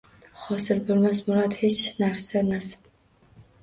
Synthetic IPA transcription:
χɒsɪɾbolˠmasmʊɾɒt̪het͡ʃnaɾsanasɪ̥p

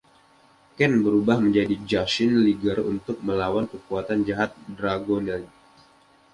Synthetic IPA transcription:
kɛnbəɾubahməɲd͡ʒadid͡ʒasɪnliɡərṵnt̪ʊk̚məlawankəkuat̪and͡ʒaɦat̪̚dɾaɡonal

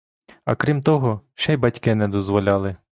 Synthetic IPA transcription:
ɐ̰kɾʲimt̪ɔɦɔʃɛjbɐtʲkɪnɛd̪ɔzʋɔlʲɑlˠɪ

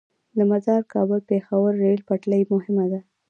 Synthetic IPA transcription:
d̪amazɑɾkʰɑbəlpexawəɾːelpaʈləjmʊhɪmad̪a

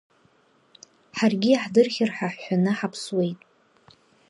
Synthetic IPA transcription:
ħarɡʲiaħdɨrχʲɪrħaħːʷanɨħapʰswe̞jtʼ

